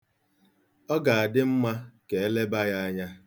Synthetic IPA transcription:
ɔ˦ɡa˨a˨dɪ˦m̩˦ma˦ke˨e˦le˦ba˦ja˦a˦ɲa˦

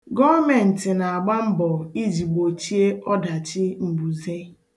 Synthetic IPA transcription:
ɡɔ˦mɛ˨n̩˨tɪ˨na˨a˨ɡ͡ba˦m̩˦bɔ˨i˦d͡ʒi˨ɡ͡bo˨t͡ʃi˦e˦ɔ˦da˨t͡ʃɪ˦m̩˨bu˨ze˦

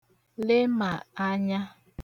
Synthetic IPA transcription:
le˦ma˨a˦ɲa˦

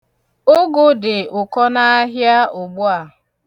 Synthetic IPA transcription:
o˦ɡʊ˦dɪ˨ʊ˨kɔ˦na˦a˦ɦja˦ʊ˨ɡ͡bʊ˦a˨

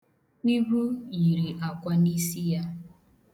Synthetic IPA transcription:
i˦ɡu˦ji˨ɾi˨ʔa˨kʷa˦ni˦si˦ja˦

